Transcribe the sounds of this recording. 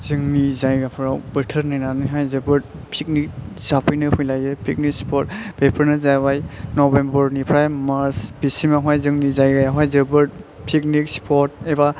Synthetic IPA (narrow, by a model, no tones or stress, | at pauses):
zɯŋnizajɡapʰɾawbɯtʰəɾnajnaniɦajzɯbɯɾ̚ | pʰik̚nik̚ | z̥apʰɯjnɯhujlajɯpʰik̚nikspʰɔt̚bepʰəɾnɯzajwajnɔbembəɾnipʰɾajmaɾsbisimaɦajzɯŋnizajɡajaɦajzɯbɯɾt̚pʰik̚nik̚spʰɔt̚eba